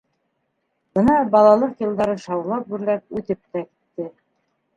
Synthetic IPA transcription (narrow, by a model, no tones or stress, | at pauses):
b̥ɤnɑbɑlˠɑlˠɤqjɤ̆lˠd̪ɑɾɤʃɑwlˠɑp̚bʉɾlæp̚ʉt̪ɘp̚t̪æki̥t̪ːɘ